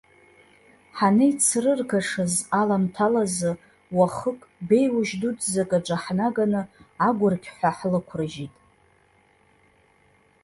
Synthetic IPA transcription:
ħanɨjt͡sʰrɨrkʰaʂɨzalamtʰalazɨ | waχəkʼbe̞jwʊʒdudzakʼaʈ͡ʂʷʼaħnaɡanɨaɡʷʊrkʲʰħʷaħlɨkʷʰrɨʒitʼ

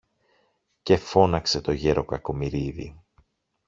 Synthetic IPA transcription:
ce̞fo̞nɐkse̞t̪o̞ʝeɾo̞kɐko̞miɾiðḭ

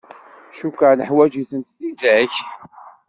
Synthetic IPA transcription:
ʃukəʕnəħwæd͡ʒiθənt̪θimd̪ʕəç

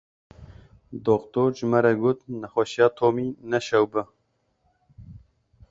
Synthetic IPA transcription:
d̪okt̪oːɾd͡ʒɨmɛɾɛɡoːt̪nɛxʷaʃijɑːt̪ʰoːmiːnɛʃɛwbɨ

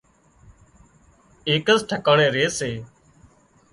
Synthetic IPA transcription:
eːkəsʈʰəkəːɳẽːɾeːseː

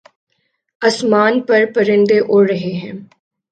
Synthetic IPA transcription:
ɐsmaːnpɐɾpɐɾɪ̃nd̪eʔʊɽɾɐɦeɦɛ̃ː

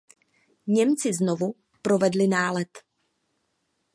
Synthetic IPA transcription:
ɲɛmt͡sɪznovu | pɾo̞vɛdlɪnaːlɛt̪

